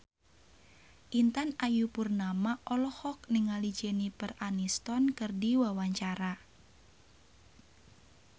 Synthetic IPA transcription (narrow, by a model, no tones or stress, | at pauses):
ʔint̪anajupurnamaʔɔlɔhɔk̚niŋalid͡ʒɛnipəranist̪ɔnkɨrdiwawaɲt͡ʃaɾa